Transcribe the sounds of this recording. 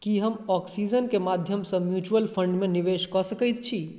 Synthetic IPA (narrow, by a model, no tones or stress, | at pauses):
kiɦəmɔksid͡ʒənkemad̪ʱjəmsə̃mjut͡ʃuəlpʰəɳɖmeniʋeskɔsəkəjt̪t͡ʃʰi